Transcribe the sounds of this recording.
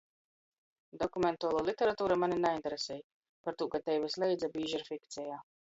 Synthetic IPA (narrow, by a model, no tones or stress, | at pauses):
d̪ɔkumɛnt̪uːlˠuːlˠit̪ʲɛɾat̪uːɾamaninaint̪eɾesɛːj | paɾt̪uːkat̪ɛjvislˠɛjd̪zabiːʒaɾfʲikt̪sʲɛjaː